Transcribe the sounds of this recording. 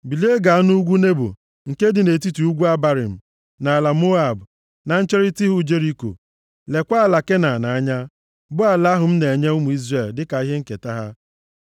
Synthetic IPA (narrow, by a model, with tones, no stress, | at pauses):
bi˨le˦ɡa˨a˦nu˦ɡʷu˦ne˦bʊ̰˨ | ŋ̩˨ke˦dɪ˨ne˨t̬i˦tu˨u˦ɡʷu˦a˦ba˨ɾɪ̰˨m̩˨ | na˨la˨mo˦a˨bʊ˨ | na˨n̩˦t͡ʃe˦ɾi˦ti˦ɦu˦d͡ʒe˦ɾi˦ko̰˨ | le˨kʷa˦a˦˨la˨ke˦na˨na˨a˦ɲa˦ | bʊ˦a˨la˦ɦʊ˨m̩˦ne˨ɲe˦ʊ˦mu˨i˦zre˨ldɪ˦ka˨i˦ɦe˦ŋ̩˦ke˨ta˦ɦa˦